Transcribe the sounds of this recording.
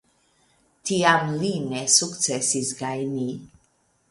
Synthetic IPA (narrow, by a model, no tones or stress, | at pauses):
tiamlinesuktt͡sesisɡajni